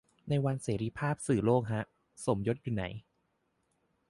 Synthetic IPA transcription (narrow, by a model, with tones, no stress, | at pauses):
na˧jwa˧nseː˩˦ɾiː˧˥pʰaː˥˩p̚sɯː˨˩loː˥˩k̚ɦa˦˥ʔ | so˩˦mjo˦˥t̪̚juː˨˩na˩˦j